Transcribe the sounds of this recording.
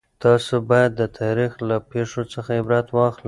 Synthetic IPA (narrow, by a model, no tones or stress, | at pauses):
t̪ɑsobɑjad̪ːət̪ʰɑɾixlapeʂot͡səxaɪbɾɑt̪wɑxlə